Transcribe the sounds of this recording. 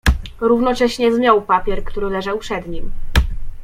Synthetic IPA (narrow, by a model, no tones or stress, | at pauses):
ɾuvnɔt͡ʂɛɕɲɛzmʲjawpapʲjɛɾkt̪uɾɘlɛʐawpʂɛd̪ɲim